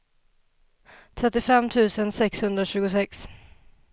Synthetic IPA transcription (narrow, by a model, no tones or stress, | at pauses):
t̪ʰɾɛt̪ːɪfɛmːt̪ʰʉ̟ːsənsɛkshɵnd̪ɾaɕʉ̟ːɡʊsɛks